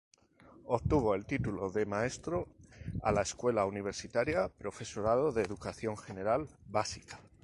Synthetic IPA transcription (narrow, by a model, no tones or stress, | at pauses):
opt̪uβo̞e̞lt̪it̪uloðe̞mae̞st̪ɾo̞a̰laeskwe̞launiβ̞e̞ɾsit̪aɾjapɾo̞fe̞so̞ɾaðoðeːðukaθjo̞ŋxe̞ne̞ɾalbasikḁ